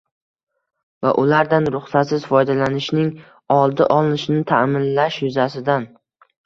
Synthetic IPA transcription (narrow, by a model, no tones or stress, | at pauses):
va̰ʔʊlaɾd̪anɾʊχsat̪sɪzfɒjd̪alanɪʃnɪŋ | ɒlˠd̪ɪʔɒlˠɪnɪʃɪnɪt̪ʰamɪnlaʃjʊzasɪd̪an